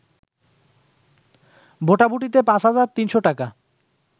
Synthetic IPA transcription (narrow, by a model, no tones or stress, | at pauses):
bʱoʈabuʈit̪epãsɦad͡ʑaɾt̪inʃoʈaka